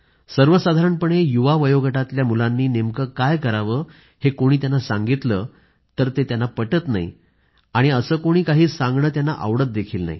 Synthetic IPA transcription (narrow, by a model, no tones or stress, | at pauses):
səɾʋəsad̪ʱaɾəɳpəɳejuʋaʋəjoɡʱəʈat̪ljamulanːiːnemkəkajkəɾaʋəː | hekoɽ̃iːt̪̬janːasaŋɡit̪ləː | t̪əɾt̪et̪janːapəʈət̪na̰ḭ | aɽ̃iəsəːkoɽ̃iːkaɦiːsãŋɡɳəːt̪janːaʔə̰ʋɽət̪̚d̪ekʰiːlna̰ɦḭ